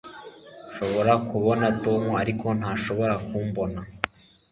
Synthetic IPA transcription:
ʃo̞βo̞ɾakuβo̞natoːmuaɾikʰo̞n̥haːʃo̞βo̞ɾakuːmbo̞na

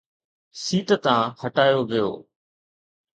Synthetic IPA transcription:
siːʈ̪t̪ãːhəʈaːjoːʋɪjo̰ː

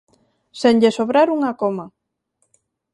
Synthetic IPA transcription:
seɲʎesoβɾaɾuŋakoma

